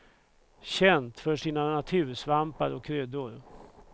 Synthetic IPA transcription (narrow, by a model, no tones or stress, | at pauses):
ɕɛnt̪fœʂiːnanat̪ʰʉ̟ːɾʂvampaɾɔkʰːɾøːd̪ʊɾ